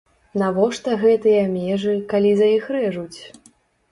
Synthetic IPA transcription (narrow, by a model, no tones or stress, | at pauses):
navɔʂt̪ɐɣɛt̪ɨjɐmʲɛʐɨkalʲizɐjixɾɛʐut͡sʲ